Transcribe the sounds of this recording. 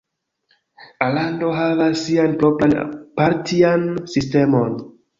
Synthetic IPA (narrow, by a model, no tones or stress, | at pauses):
alando̞ɦavasːianpɾoplanpaɾtiansiste̞mo̞n